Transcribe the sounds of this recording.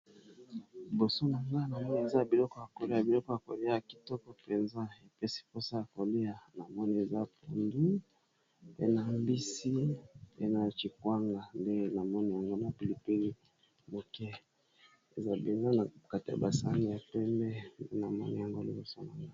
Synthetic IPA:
bo˨so˦na˨ŋɡa˦na˨mɔ˦ni˦e˨za˦bi˨lɔ˦kɔ˦ja˨ko˨le˦ja˨bi˨lɔ˦kɔ˦ja˨ko̰˨le˦ja˨ja˨ki̥˨tɔ˦kɔ˦pe˨nza˦e˨pɛ˦si̥˦po˦sa˦ja˨ko˨le˦ja˨na˨mɔ˦ni˨e˨za˦pu˨ndu˦ | ḛ˦na˨mbi˦si˦e˦na˨t͡ʃi˨kwa˦ŋɡa˨nde˦na˨mɔ˦ni˨ja˨ŋɡo˦na˨pi˨li˨pi˦li˦ | mo˨kɛ˦ | e˨za˦be˨nza˦na˨ka˦ti˨ja̰˨ba˨sa˦ŋi˦ja˨pɛ˦mbɛ˦nde˦na˨mɔ˦ni˨ja˨ŋɡo˦li˦bo˨so˦na˨ŋɡa˦

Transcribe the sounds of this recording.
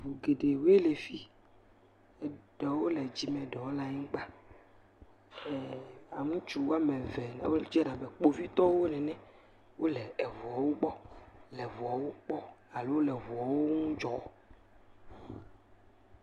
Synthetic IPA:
vu˨ɡe˨ɖe˨we˦le˨fi˦ | ɛ˨ɖɔ˨wo˦lɛ˨d͡ʑi˦mɛ̃˨ɖɔ˨wo˦la˦ɲĩ˦k͡pa˦˨ | a˨ŋũ˦t͡ʃu˦˨wo˦a˦mɛ̃˨vɛ˨na̰˨˦wo˦ld͡ʒɛ˦ɖa˨bɛ˨k͡po˦vi˦t̪ɔ˦wo˦nɛ̃˨nɛ̃˦ | wo˦lɛ˨ɛ˨vɔ˨ɔ˨wo˦ɡ͡bɔ˦lɛ˨vɔ˨ɔ˨wo˦k͡pɔ˦a˨lo˦wo˦lɛ˨vu˨ɔ˨wo˦ŋũ˦d͡ʒɔ˨

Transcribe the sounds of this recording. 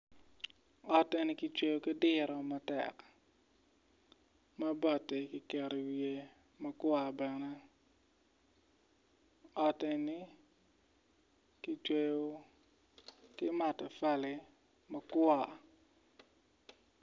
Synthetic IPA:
ɔ˨tɛ˨nɪ˦kɪ˦t͡ʃwe˦jo˦kɪ˦dɪ˦ɾɔ˨mɐ˨tɛ̰˨k | ma˦bɔ˨tɛ˨kɪ˨kɛ˨ɾi˨wje˨ | mɐ˦kwa˨bɛ˨nɛ˦ | ɔ˨tɛ˨nɪ˦ | kɪ˦t͡ʃwe˦jo˦ | kɪ˦ma˨tɛ˨fa˦lɪ˨ | mɐ˦kwa˨

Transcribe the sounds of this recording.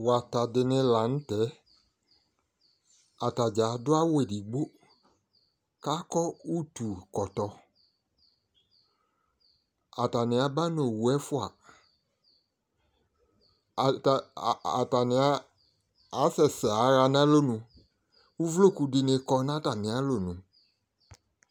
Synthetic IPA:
wa˨ta˨dɪ˨nɪ̃˧la˨n̩˦tɛ˨˦ | a˨ta˨d͡ʒa˨˦dʊ˦a˦wo˦e˨di˨ɡ͡bo˦ | ka˦kɔ˦u˦tu˨kɔ˨tɔ˨ | a˨ta˨nɪ̃˨a˨ba˦n˦o˨wu˨ɛ˦fʊ˦a̰˨ | ta˨nɪ̃˨a˦ | a˨˦sɛ˨sɛ˨a˨˦ɾa˧nã˦lo˦˨nũ˧ | u˦vlo˦˨ku˧di˧ne˧˦kɔ˧nã˦ta˨mĩ˨a˨˦lo˦˨nũ˨

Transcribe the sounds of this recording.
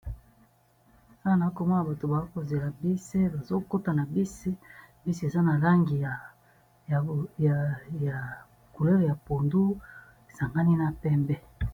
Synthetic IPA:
sa˦˨na˨˦ko˨mɔ˦na˨ba˨to˨ba˨o˦ko˨ze˨la˨bi˦si˦ba˨zo˦ko˦ta˨na˨bi˦si˦bi˦si˦e˨za˦na˨la˦ŋɡi˨ja˨ | ja˨ | ku˨le˦ʁja˨po˨ndu˦ | e˨sa˨ŋɡa˦ni˦na˨pɛ˦mbɛ˦

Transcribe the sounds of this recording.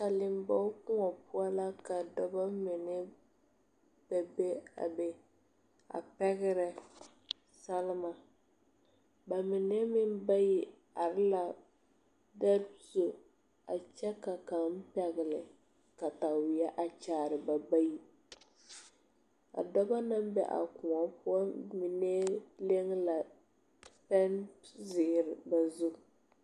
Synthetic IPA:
ka˨lɪ˨m˦ba˦kʊ˦ŋɔ˨pʊ˦a˦la˦ka˨dɔ˦ba˦mɪ˨nɛ˦ | b̥ɛ˨be˦a̰˨bɛ˨ | a̰˨pɛ˦ɣɪ˦ɾɛ˨ | sa˦lɪ˦ma˦ | ba˨mɪ˨nɛ˦mɪ˦mba˦jɪ˨ | a˨ɾɪ˦la˨ | da˦zo˨ | a˨t͡ʃɛ˦ka˨ka˨m˦pɛ˨ɣɪ˨lɪ˨ | ka˨ta˨wɪ˨a˦ʔa˨t͡ʃaː˨ɾɪ˨ba˨ba˦ji˦ | a̰˨dɔ˦ba˦na˦mbɛ̰˦ʔa̰˨kʊ˨a˨pʊ˦a˦mi˨ne˦le˦ŋla˨ | pɛ˦nzɪ˨ɪ˨ɾɪ˨ba˨zʊ˦˨

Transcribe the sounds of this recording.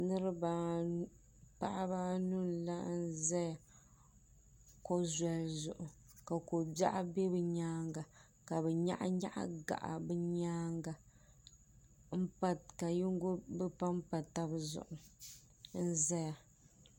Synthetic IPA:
nɨ˦ɾɨ˦ba˨ | pa˦ʔa˦ba˦nu˦n˨la˦n̩˦zɛ˦ja˨ | ko˦zɛ˦lzʊ˨ʔʊ˨ | ka˨ko˨ba̰˦ʔa˦be˦bɨ˨ɲaː˦ŋɡa˨ | ka˨bɛ˨ɲa̰˦ʔa̰˦ɲa̰˦ʔa̰˦ɡa̰˨ʔa̰˨bɨ˦ɲaː˦ŋɡa˨ | m̩˦pa˦tka˨ji˦ŋ˦ɡo˦bɨ˦pa˦mpa˨ta˦bzʊ̰˨ʔʊ˨ | n̩˦zɛ˦ja˨

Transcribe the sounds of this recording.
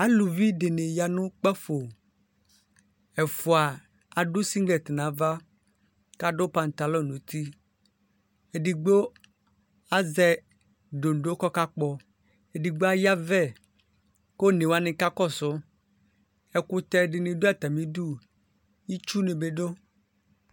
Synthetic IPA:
a˦lu˨vi˦ɖɪ˨ne˨ja˨nʊ̃˦k͡pɛ˦fo˨ | ɛ˨fʊ˨a˨ | a˨ɖʊ˦si˦ɡlɛ˨t̪ɪ˨nã˨˦va˦ | ka˦ɖo˦pa˨n˨t̪a˨lɔ˦˨nũ˨t̪i˦ | e˨di˨ɡ͡bo˦ | a˦zɛ˦ | ɖo˨n˨ɖo˦kɔ˦ka˦k͡pɔ˦ | e˨di˨ɡ͡bo˦a˦ja˦vɛ˦˨ | ko˦nẽ˨wa˦nɪ̃˨ka˦kɔ˦˨sʊ˦ | ɛ˨kʊ˦t̪ɛ˨ɖɪ˨nɪ̃˨do˦a˦t̪a˨mĩ˦du˦ | i˦t͡ʃu˦nɪ̃˨be˨ɖo˦

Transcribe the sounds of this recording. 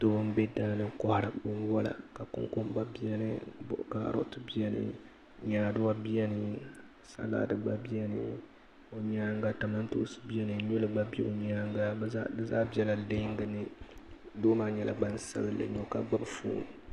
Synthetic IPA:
do˦bʊ˦m˦bɛ˦daː˨˦lɨ˦ŋkɔ˦ha˨ɾa˨bo˦wɔ˦la̰˨ka˨kʊ̰˦ŋko˦m˦ba˦bi˦ɛ˦nɨ˦bʊ̰˨ʔka̰˨˦ɾʊ̰˦ʔtɨ˦bi˦ɛ˦nɨ̰˦ | ɲaː˨dʊ˦wa˦bi˦ɛ˦nɨ˨ | sa̰˦la̰ː˦dɨ˨ɡ͡ba˦bi˦ɛ˦nɨ̰˦ | o˨ɲaː˦ŋɡa˦ta˨ma˦n˦to̰˦sɨ̥˦bi˦jɛ˦nɨ˨ɲu˦lɨ˨ɡ͡ba˦be˦ʔo˨ɲaː˦ŋɡa˦dɨ˦zaː˦bi˦ɛ˦la˨dɨ˦ŋɡɨ˨nɨ˦doː˦maː˨ɲɛ˨la̰˨ɡ͡ba˦n˦sa̰˦bɨ˦lɨ̰˨ɲo˨ka˨ɡ͡ba˦bfṵː˦n˨

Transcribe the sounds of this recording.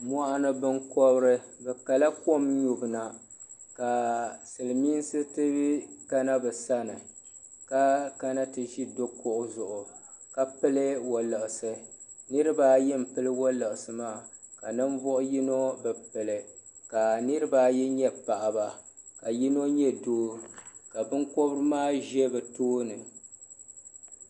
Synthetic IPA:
m˦ɔ˦ʔa˦nɨ˦bɨ˦ŋkɔ˦bɨ˦ɾɨ˦bɛ˨ka˨la˦ko˦mɲu˨bɨ˨na˨ | ka˨sɨ˨lɨ˨miː˦n˦sɨ˦tɨ˦ka˦na˦bɛ˨sa˦nɨ˨ | ka˦ka˦na˦tɨ˨ʒi˦do˦kʊ˦ʔʊ˦zʊ˨ʔʊ˨ka˦pɨ˦lɨ˦wo˨lɨ˨ʔɪ˨sɨ˦ | nɨ˦ɾɨ˦ba˦jɛ˦m̩˨pɨ˦lɨ˦wɔ˦lɨ˨ʔɨ˨sɨ˨maː˦˨ka˨nɨ˦m˦vɔ˦ʔʊ˦ji˦no˦bɛ˨pɨ˨lɨ˨ | ka˨nɨ˦ɾɨ˦ba˦jɛ˦ɲɛ˦pa˨ʔa˨ba˨ka˨ji˦no˦ɲɛ˦doː˦ | ka˨bɨ˦ŋko˦bɨ˦ɾɨ˦maː˦ʒɛ˦bɛ˨toː˦nɨ˨

